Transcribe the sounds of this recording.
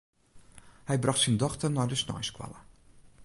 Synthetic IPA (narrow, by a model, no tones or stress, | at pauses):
hɛjbrɑxtsindɔxtərnɔjdəsnɔ̰jskwa̰lə